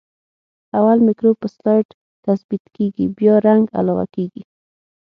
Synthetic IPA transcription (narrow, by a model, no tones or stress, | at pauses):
awalmɪkɾob̚pəslaʈ | t̪asbit̪keɡibjɑɾaŋɡa̰lɑwa̰keɡi